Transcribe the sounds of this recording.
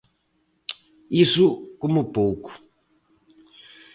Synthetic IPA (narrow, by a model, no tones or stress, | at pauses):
isʊkomʊpowkʊ̥